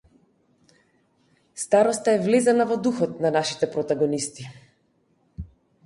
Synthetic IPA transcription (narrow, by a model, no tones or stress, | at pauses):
st̪aɾɔst̪aɛvlɛzanavɔd̪uxɔt̪̚nanaʃi̥t̪ɛpɾɔt̪aɡɔnist̪i